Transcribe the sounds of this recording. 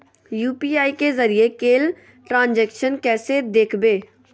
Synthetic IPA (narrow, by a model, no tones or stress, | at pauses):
juːpiːaːikezəɾiekeːl | ʈɾãːnd͡ʒɛːkʃənkɛːsed̪eːkʰbeː